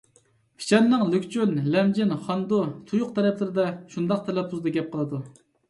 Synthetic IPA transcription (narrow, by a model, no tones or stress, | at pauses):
pʰʲi̥t͡ʃʰɛnːɨŋlykʲt͡ʃʰynlɛmd͡ʒɪnχɑnd̪ut̪ʰujʊqt̪ʰɛɾɛplɪɾɪd̪ɛʃund̪ɑq̚t̪ʰɛlɛp̚ʰuzd̪ɑɡʲɛp̚qʰəlˠɨd̪u